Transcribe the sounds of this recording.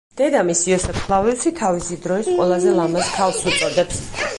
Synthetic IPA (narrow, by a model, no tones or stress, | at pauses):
d̪̥ɛd̪amisiɔsɛpʰχlˠavilʃit̪ʰavisid̪ɾɔisqʼwɛlˠazɛlˠamask̪ʰavsut̪sʼɔd̪ɛps